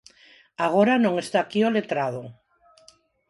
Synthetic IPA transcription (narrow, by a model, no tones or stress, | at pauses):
aɣ̞oɾanõŋest̪aːkiolet̪ɾað̞o